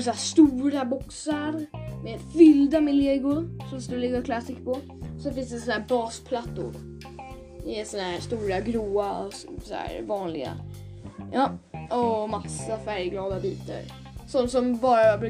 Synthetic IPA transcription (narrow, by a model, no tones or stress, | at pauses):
sæːst̪uːɾabɔksaɾmeːd̪fʏld̪amɪleːɡʊɾsɔmst̪ɵlɪɡakʰlasɪkːpʰɔ | sɔfɪnsd̪ɛsɔnhæːɾbɑːspʰlat̪ːʊ̰ɾ | ɪsɔnhæɾst̪uːɾaɡɾuːaɔsɔæ̰ːɾvɑːnlɪɡa̰ | jɑːɔmasːafæɾjɡlɑːd̪abiːt̪a̰ɾ | sɔnːsɔmbɑːɾabɾʉ